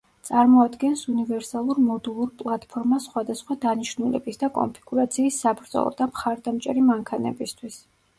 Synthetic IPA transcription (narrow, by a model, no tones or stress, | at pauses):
t̪sʼaɾmɔad̪ɡɛnsunivɛɾsalˠuɾmɔd̪ulˠuɾpʼlˠat̪ʼpʰɔɾmasχwad̪asχwad̪aniʃnulɛ̰bisd̪akʼɔ̰mpʰiɡ̥uɾat̪sʰiːsːabɾd̪zɔ̰lˠɔ̰d̪amχaɾd̪amt͡ʃʼɛɾimaŋkʰanɛ̰bist̪ʰwis